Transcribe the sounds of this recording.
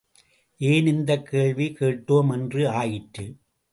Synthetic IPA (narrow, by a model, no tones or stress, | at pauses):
ʔeːnɪnd̪ɐkʰːeːɭʋikeːʈːoːmɛndrɯaːjɪʈɾɯ